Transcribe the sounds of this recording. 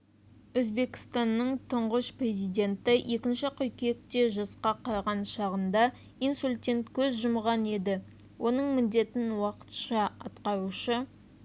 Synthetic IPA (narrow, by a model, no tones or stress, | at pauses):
ɵzbe̞kʲɪ̥st̪ɑnːəɴt̪ʰʊɴʁəʃprʲe̞zijd̪e̞nt̪ɪjʔe̞kʲɪnʃɪqʰʏjkʲe̞k̚t̪e̞ʒɑsqɑqʰɑɾʁɑnʃɑʁənd̪ɑ | ijnsulʲt̪ʲe̞nt̪kʲʰɵzʒʊmʁɑne̞d̪ɪwʔo̞nəɴmɪnd̪e̞t̪ɪnwɑqə̥t̪ʃɑɑ̰t̪qɑɾuʃə